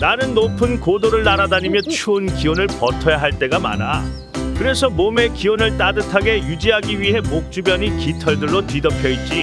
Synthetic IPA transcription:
nanɯnːopʰɯnkodoɾɯɭnaɾadaɲimjʌt͡ɕʰuːnkiʌnɯɭpʌtʰʌjaɦaɭt͈e̞ɡama̰na | kɯɾe̞sʰʌmome̞kiʌnɯɭt͈adɯtʰaɡe̞jud͡ʑiɦaɡiɥiɦe̞mok̚t͡ɕ͈ubjʌɲikitʰʌɭdɯɭːotɥidʌpʰjʌit̚t͡ɕ͈i

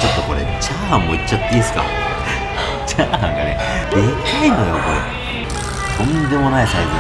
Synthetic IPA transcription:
t͡ɕo̞t̪ːoko̞ɾet͡ɕaːãmmːoit͡ɕːat̪ːisɨ̥ka̰ | d͡ʑaːnã̰ŋɡa̰ne | d̪ekʲi̥aĩnd̪ojoko̞ɾḛ | t̪õnd̪emo̞naisaizi

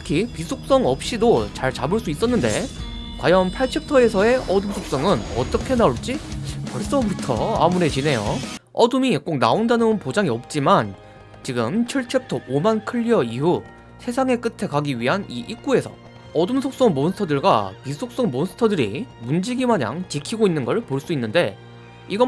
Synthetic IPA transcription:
tʰɯkʰipisʰok̚s͈ʌŋʌp̚ɕ͈idot͡ɕaɭt͡ɕabɯɭs͈uis͈ʌnːɯndḛ | kwa̰jʌnpʰaɭt͡ɕʰep̚tʰʌe̞sʰʌe̞ʔʌdɯmsʰok̚s͈ʌŋɯnʌ̰t͈ʌkʰe̞naoɭt͡ɕ͈ikʌɭs͈ʌbutʰʌ̰a̰muɾe̞t͡ɕine̞jo̰ʌdɯmiek͈oŋna̰ondanɯnpod͡ʑaŋiʌp̚t͡ɕ͈iman | t͡ɕiɡɯmt͡ɕʰiɭt͡ɕʰep̚tʰʌʔomankʰɯʎːiʌiɦu | sʰe̞sʰaŋe̞k͈ɯtʰe̞kaɡiɥiɦaniʔik̚k͈ue̞sʰʌ̰ | ʌdumsʰok̚s͈ʌŋmonsʰɯ̥tʰʌdɯɭɡwa̰pisʰok̚s͈ʌŋmonsʰɯ̥tʰʌdɯɾḭmund͡ʑiɡimaɲa̰ŋt͡ɕikʰiɡoinːɯnɡʌɭpoɭs͈uinːɯnde̞ | iɡʌ

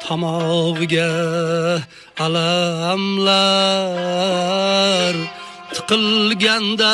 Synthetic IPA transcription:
t̪ʰɑmɒʁɨɡʲa | alaamla | ɾ | t̪ʰɨ̥qʰɨlɡʲand̪a

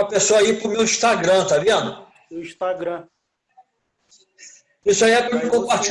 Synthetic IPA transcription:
ɐpesoɐipɾʊmewĩʃt̪aɡɾɐ̃t̪abiɐ̃nʊ | ʊĩʃt̪aɡɾɐ̃ | isʊaiɛpɾɐmikõpaɾt͡ʃ

